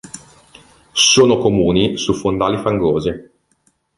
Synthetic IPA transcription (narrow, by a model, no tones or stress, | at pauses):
soːnokomuːnisufond̪aːlifaŋɡoːzi